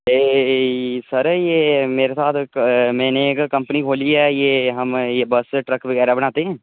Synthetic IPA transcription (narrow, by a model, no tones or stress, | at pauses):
eː | sɐɾjeːmeːɾesaːt̪ʰmɛ̃ːnekkɐ̃mpənikʰoːliɦɛjeɦɐmjebɐsʈɾɐkbəɡɛːɾabɐñaːt̪eɦɛ̃ː